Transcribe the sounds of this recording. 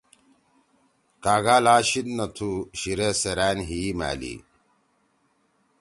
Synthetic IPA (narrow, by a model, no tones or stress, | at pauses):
kaːɡaːlaːɕid̪nɐt̪ʰuɕiɾeseɾæːnɦima̰ːlḭ